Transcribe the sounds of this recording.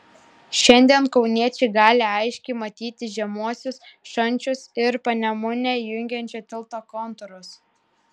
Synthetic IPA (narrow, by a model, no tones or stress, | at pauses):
ʃʲɛnʲd̪ʲiɛnkɒʊnʲiɛt͡ʃʲɛɪɡɑːlʲɪɐɪʃʲkʲɛɪmɐt̪ʲiːt̪ʲɪʒʲɛmuɔsʲʊsʃɐnʲt͡ʃʲʊsɪɾpɐnʲɛmʊnʲɛjʊŋʲɡʲɛnʲt͡ʃʲot̪ʲɪlˠˑt̪oːkɔnt̪ʊɾʊs